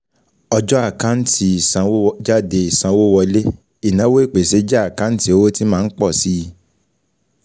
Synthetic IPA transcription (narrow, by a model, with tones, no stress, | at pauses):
ɔ˧d͡ʒɔ˦a˦˨kã˨˦n̩˦tʰi˧˦˨sã˧˦d͡ʒa˦de˧i˨sã˧wo˦wɔ˧˦le˦ | i˦˨nã˨˦wo˦e˦˨k͡pe˨se˨˦d͡ʒa˦a˦˨kã˨˦n̩˦ti˦o˧wo˦ti˦mãː˦˧n̩˦k͡pɔ˦˨si˦˧